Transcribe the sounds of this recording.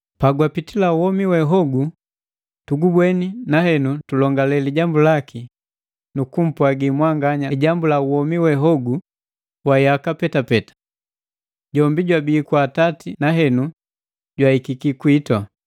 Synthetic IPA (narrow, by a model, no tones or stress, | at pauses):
paɡwapitilauwɔmiwɛɦɔɡu | tuɡubwɛninahɛnutulɔŋɡalɛliɟambulaki | nukum̩pwaɡimwaŋɡaɲaɟambulauwɔmiwɛɦɔɡu | wajakapɛtapɛtḁ | ɟɔmbiɟwabiːkwatatinaɦɛnu | ɟwaikikikuitwa